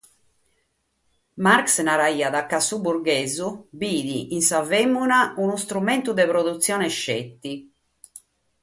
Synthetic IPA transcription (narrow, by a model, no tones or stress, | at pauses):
maɾksnaɾaiːaðakːasubuɾɡeːzubiːðiʔinsavemːunaunust̪ɾument̪ud̪ɛpɾoðut̪sːjɔːnɛʃːet̪ːi